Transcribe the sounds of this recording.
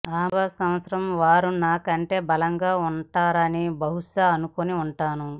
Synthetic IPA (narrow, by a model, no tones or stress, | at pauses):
aːbʱɐsɐ̃m̃ʋɐt̪sɐɾɐmʋaːɾunaːkɐɳʈe̞ːbɐlɐŋɡaːuɳʈaːɾɐnibɐɦuʂɐːnukoniuɳʈaːnu